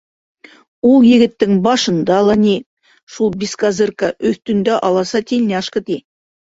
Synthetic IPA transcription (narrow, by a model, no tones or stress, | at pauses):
olˠjɪ̆ɡɪ̆t̪ːɪŋbɑʃɤ̆nd̪ɑlˠɑnʲe | ʃulˠbʲiskazɨrkɑʔɵθt̪ɵ̆nd̪æʔɑlˠɑsɑt̪ʰelʲneɑʃqət̪i